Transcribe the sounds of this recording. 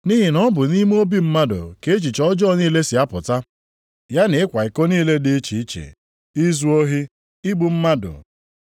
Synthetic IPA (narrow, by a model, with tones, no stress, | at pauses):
ni˦ɦi˨nɔ˦bʊ˨ni˦m˦o˦bi˦m̩˦ma˦dʊ̰˨ke˨˦e˦t͡ʃi˨t͡ʃɔ˦d͡ʒɔ˦niː˦le˦si˨a˦pʊ˨ta˦ | ja˦ne˨ɪ˦kʷa˨i˨ko˦niː˦le˦dɪ˦t͡ʃi˨i˦t͡ʃḛ˨ | i˦zu˦o˦ɦi˦ | ɪ˦ɡ͡bu˨m̩˦ma˦dʊ̰˨